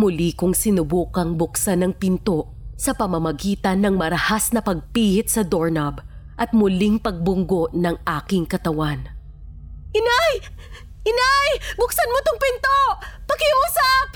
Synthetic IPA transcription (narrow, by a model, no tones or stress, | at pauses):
mʊlikʊŋsɪnʊbuːkɐŋbʊksanɐŋpɪnt̪o̞ʔ | sɐpɐmɐmɐɡiːt̪ɐnːɐŋmɐɾɐhasnɐpɐɡ̚piːhɪt̪̚sɐd̪oɹnɐbʔɐt̪̚mʊliŋpɐɡ̚bʊŋɡo̞ʔnɐŋʔaːkɪŋkɐt̪ɐwan | ʔɪnaj | ʔɪnajbʊksɐnmot̪oŋpɪnt̪oːɐkɪuːsɐp̚